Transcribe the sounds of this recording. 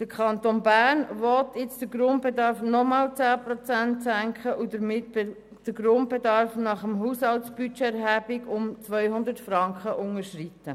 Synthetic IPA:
d̥əkʰɑnt̪onbæːɾnʋɔt̪ʰɪt͡sd̥əɾɡɾʊnt̚b̥edɑɾfnɔmɑːlt͡sæːpɾot͡sæntsæŋkχəʔud̥əɾmɪt | d̥əɡɾʊnt̚b̥edɑɾfnɑχəmɦushɑltsb̥yt͡ʃeːɾɦæbiɡʊmt͡sʋœjhʊnd̪ətfɾɑŋkχəʔʊŋəʃritːə

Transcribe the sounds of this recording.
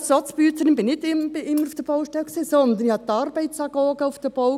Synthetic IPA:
sɔt͡sbyːt̪əɾɪnbɪnɪtɪmɪʔɪmːəɾufd̥̪əb̥ɔwʃtɛlksiːsɔnd̪ənihɑt̪ːɑɾbɛɪt̪sɑɡ̥ɔːɡəufd̥̪əb̥ow

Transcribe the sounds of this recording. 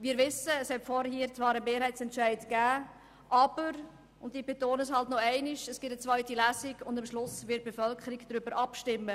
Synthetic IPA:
ʋiːɾvɪsəːshɛtfɔɾhiːɾt͡svɑːɾəmeːɾɦhɛɪt͡sɛntʃæɪdɡ̥æː | ʔɑb̥əɾ | ʊndibetoːnəshɑltnɔɛɪnɪʃəsɡ̥ɪtət͡sʋœʏtilæsɪɡʊndamʃlʊsvɪt̚b̥efœlkʰəɾiɡd̥ɾybəɾʔɑpʃtɪmːə

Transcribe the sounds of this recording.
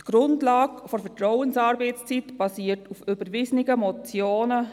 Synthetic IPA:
tɡ̥ɾʊndlɑːkfɔɾfɛtɾɔʊənsɑːɾbɛɪt͡st͡sitb̥ɑsiːətufʏbəɾʋɪsnɪɡəmɔt͡sjoːnə

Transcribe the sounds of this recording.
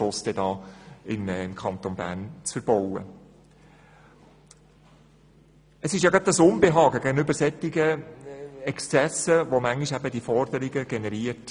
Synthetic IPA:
ʊsd̥ɛdɑːɪmɪmkʰɑnt̪onbæ̰ːɾnt͡sfəɾb̥ɔwə̰ | əsɪʃjɑɡɑəsʊnbeɦɑːɡəɡæɡənʏbəɾsɛt̪ːɪɡə | ɛkst͡sɛsəʋomæŋiʃæbəd̪ifɔrd̥̪əɾɪɡəɡɛnɛɾiəɾt

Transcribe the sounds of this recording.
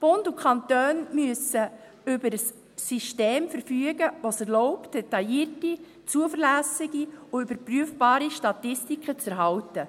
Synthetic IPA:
b̥ʊndukχɑnt̪øːnmyəsə | ʏbəɾəsː | yʃteːmfəɾfyəɡəʋosɛɾlɔʊpt̚d̥ɛt̪ɑjiːərti | t͡suəfəɾlæːsɪɡiuybəɾpryəfbɑːɾiʃtɑt̪ɪstikχət͡sɛɾɦɑwtə

